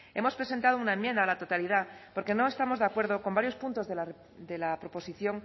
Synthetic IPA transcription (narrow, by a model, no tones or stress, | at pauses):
e̞mo̞spɾe̞se̞nt̪aðounaemjend̪aːlat̪o̞t̪aliðapo̞ɾke̞noe̞st̪amo̞zðeakwe̞ɾð̞oko̞mbaɾjo̞spunt̪o̞zðela | d̪elapɾo̞po̞siθjo̞ŋ